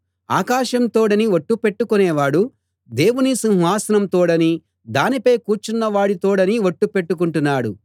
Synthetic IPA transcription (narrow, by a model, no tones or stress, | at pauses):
a̰ːkaːʃɐmt̪oːɽɐniʋoʈːupe̞ʈːukunɛːʋaːɽu | d̪e̞ːwunisinɦʋaːsɐnɐmt̪oːɽɐni | d̪aːnipɐjkuːɾt͡ʃunːɐʋaːɽit̪oːɽɐniʋoʈːupe̞ʈːuk̬uɳʈunːaːɽṵ